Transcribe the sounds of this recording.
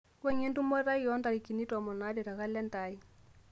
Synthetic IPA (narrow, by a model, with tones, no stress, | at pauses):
wɛ˦ɲɛ˦ndu˦mɔ˦ɾa˦jɔ˦nda˨ɾi˨ki˨ni˦tɔ˨mɔ˨na˦di˨ɾa˨ɣa˦lɛ˦nta˨˦i˦